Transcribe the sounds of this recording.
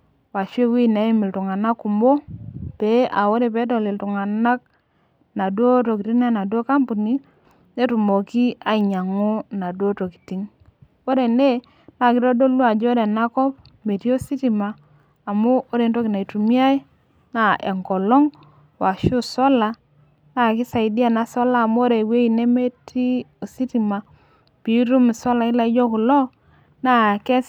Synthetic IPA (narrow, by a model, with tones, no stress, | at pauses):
wa˨ʃe˦wi˦ne˨˦i˦mɪ˨ltu˨ŋa˨na˦ku˨mbo˦pe˨˦ʔa˨wo˦ɾe˨pe˨˦t̬o˨li˨ltu˨ŋa˨na˦k̚ | na˨dwo˦to˨ki˨ti˦na˦na˨du˦o˦ka˦mpu˨ni˦ | ne˦tu˨mo˨ki˦a˦i˨ɲa˨ŋu˦na˨du˦o˦to˨ki̥˨ti˦ŋ | o˦ɾe˨ne˦ | na˨kɪ˦ɾo˦do˦lu˦a˨d͡ʒo˦ɾe˨na˦kɔ˦p̚ | me˨ti˦o˦si˦ti˨maː˨ | mo˦o˦ɾe˨˦nto˦ki˨na˨i˨tu˨mi˦a˦i˦ | na˦ʔḛ˨ŋkɔ˨lɔ˦ŋ | wa˨ʃu˦sɔ˦la˨ | na˨ki˦sa˨i˨di˦a˦˨na˦sɔ˦laː˦˨mu˦o˦ɾe˨we˦i˨ne˦me˦ti˦o˨si˦ti˨ma˨ | pi˨˦ɾu˦mi˨sɔ˦la˨ɪ˦la˨i˦d͡ʒo˦ku˨lɔ˦ | na˦˨ke˦s